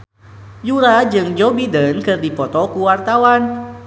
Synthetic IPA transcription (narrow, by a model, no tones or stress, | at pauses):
juɾad͡ʒɨŋd͡ʒobidənkɨrdipɔt̪ɔkuwart̪awan